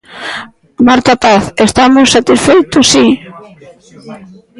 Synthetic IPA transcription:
maɾt̪apaθest̪amʊsːat̪isfejt̪ʊsːi

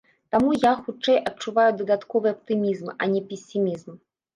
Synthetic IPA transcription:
t̪amujaxut͡ʂɛjɐt̚t͡ʂuvajud̪ɐd̪at̪kɔvɨɐp̚t̪ɨmʲizmɐ̰nʲɛpʲesʲːimʲizm

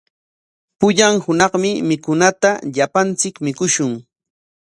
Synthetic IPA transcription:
pʊʎaŋhʊnɑχmɪmɪkʊnat̪aʎapant͡sɪkmɪkʊʃʊŋ

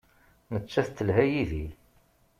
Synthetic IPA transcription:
nət͡ʃːæθt̪ːəlhæjiði

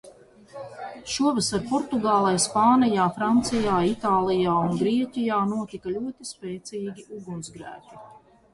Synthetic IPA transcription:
ʃuɔvasaɾpɔɾt̪uɡaːlˠajspaːnijaːfɾant̪sijaːit̪aːlˠijaːunɡɾiɛcʲijaːnuɔt̪ikalʲuɔt̪ispeːt̪siːɡʲiʔuɡunsɡɾæ̰ːcu̥

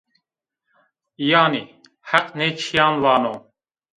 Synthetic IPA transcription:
ijaːni | hæqnɛːt͡ʃʰijaːnlaːnoː

